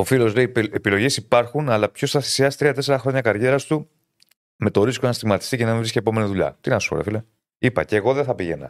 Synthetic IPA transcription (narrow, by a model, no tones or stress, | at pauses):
o̞filo̞zleiepilo̞ʝesipɐɾxunɐlɐpço̞st̪ɐθi̥siɐst̪ɾiɐt̪e̞se̞ɾɐxɾo̞ɲɐkɐɾʝe̞ɾɐst̪u | me̞t̪o̞ɾiskonɐst̪iɣmɐt̪i̥st̪ice̞nɐmiviscepo̞me̞niðuʎɐ̰t̪inɐsu̥o̰ḛfile | ipɐ̰ceɣo̞ðeθɐpiʝḛnɐ̰